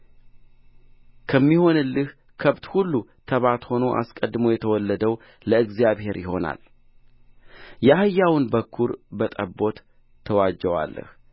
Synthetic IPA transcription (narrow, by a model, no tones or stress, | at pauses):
kʰəmːiho̞nɨlːɨh | kʰəβt̪hulːut̪ʰəβat̪ho̞no̞ʔa̰skʼəd̪ːmojɛt̪ʰəwɔlːəd̪əw | ləɨɡzjaβhe̞ɾjɪho̞na̰l | jahɨjːawɨnbəkʰːuɾbət̪ʼəbo̞t̪ʰː | əwad͡ʒːəwa̰lːə̰h